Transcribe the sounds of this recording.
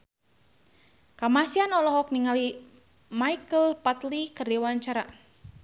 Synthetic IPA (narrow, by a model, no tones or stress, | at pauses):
kamasianɔlɔɦɔk̚niŋali | maikəlpat̪likərdiwaɲt͡ʃaɾa